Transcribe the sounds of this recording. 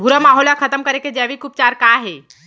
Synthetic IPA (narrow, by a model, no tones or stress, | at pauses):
bʱuɾəmaːɦoːlakʰət̪əmkəɾeked͡ʒɛːʋikup̚t͡ʃaːɾkaɦe